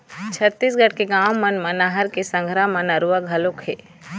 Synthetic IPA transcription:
t͡ʃʰət̪ːiːsɡəʈkeɡaːmːənmənaːɦəɾkesə̃ŋɡʱɾamənəɾuəɡʱɐlokheː

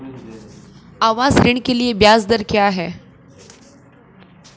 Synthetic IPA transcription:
aʋasɾiɳkelijebjasd̪əɾkeaɦe

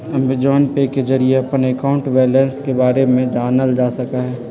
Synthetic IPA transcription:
ɐmbɪd͡ʒɔːnpeked͡ʒɐɾieɐpənekaːʊ̃ɳʈʋeːlenskebaːɾemẽd͡ʒaːnəld͡ʒaːsɐkaɦɛː

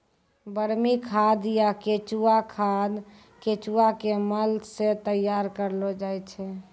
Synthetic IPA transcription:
bəɽmikʰad̪jaket͡ʃuakʰad̪ | ket͡ʃuakeməlset̪əjaɾkəɾlod͡ʒajt͡ʃʰɛ

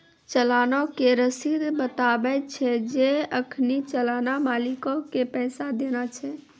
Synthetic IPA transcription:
t͡ʃəlanokeɾəsid̪bət̪abɛt͡ʃʰɛd͡ʒeəkʰnit͡ʃəlanamaːlikokepɛːsad̪enat͡ʃʰɛ

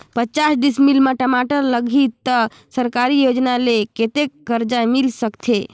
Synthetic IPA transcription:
pət͡ʃasɖismilməʈəmaʈəɾləɡʱit̪ə | səɾkaɾijod͡ʒnaleket̪ekːəɾd͡ʒajmilsəkt̪ʰe

